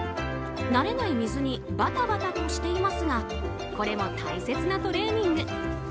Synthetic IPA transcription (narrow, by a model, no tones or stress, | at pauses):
naɾe̞naimʲizɨɲ̟i | bat̪abat̪at̪o̞ɕi̥t̪e̞imasɨŋa | ko̞ɾe̞mo̞t̪aise̞t͡sɨnat̪o̞ɾe̞ːɲ̟ĩŋɡɯ